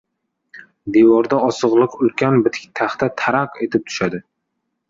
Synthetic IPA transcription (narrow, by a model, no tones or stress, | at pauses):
d̪ewɒɾd̪aɒsɨʁlˠɨqʊlkʲanbɪt̪ʰkʲt̪ʰaχt̪at̪ʰaɾaqe̞t̪ʰɪp̚t̪ʰʊ̥ʃad̪ɪ